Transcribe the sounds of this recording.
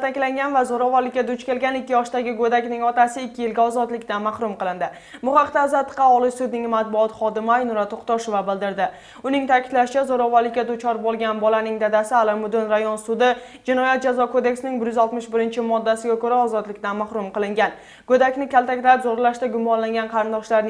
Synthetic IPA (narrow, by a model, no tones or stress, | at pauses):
alt̪akʲlaŋɡʲanvazoɾɒvaɾlɪkʲːad̪ʊt͡ʃkʲe̞lɡʲanɪkʲːɪjɒʃd̪aɡʲɪɡod̪akʲnɪŋɒt̪asɪɪkʲʰːɪjɪlɡʲaɒzɒd̪lɪkʲt̪anmahɾʊmqɨlˠɪnd̪ɪ | bʊχɑqt̪azat̪ːɨ̥qːɑɒlˠɪʃsʊd̪nɪŋmat̪̚bʊɒt̪χɒd̪ɪmajnʊɾat̪ʰoqt̪ɒʃovabɪld̪ɪɾd̪ɪ | ʊnɪŋt̪ʰakʲʰɪd̪laʃɪt͡ʃʰazoɾɒvaɾlɪkʲːad̪ʊt͡ʃʰɒɾbolˠɡʲanbɒlanɪŋd̪ad̪asɪalˠamʊd̪ʊnɾajɒnsʊd̪ɪ | d͡ʒɪnɒjat̪̚d͡ʒazɒkʰod̪e̞kʲsɪnɪŋbɪɾjʏzɒlˠt̪mɪʃbɪɾɪnt͡ʃʰɪmɒd̪ːasɪɡʲakɵɾaɒzɒd̪lɪkʲt̪anmaχɾʊmqɨlˠɪŋɡʲan | ɡ̥ɵd̪akʲnɪkʲʰalˠt̪akʲlaɪpzoɾlaʃt̪aɡʊmːɒnlaŋɡʲanqʰɑɾɪnd̪ɒʃlaɾn